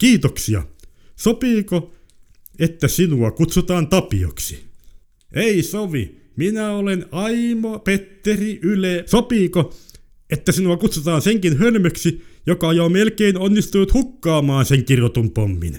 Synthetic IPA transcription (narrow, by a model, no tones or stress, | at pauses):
kiːt̪oksiɑ̰ | sopiːko | et̪ːæsinuɑkut̪sut̪ɑːnt̪ɑpḭo̰ksi̥ | ʔeisoʋḭ | minæolenɑimopet̪ːeriʔylesopiːko | et̪ːæsinuɑkut̪sut̪ɑːnseŋkinhølmøksijokɑjomelkeinonːist̪unut̪hukːɑːmɑːnseŋkirot̪umpomːḭn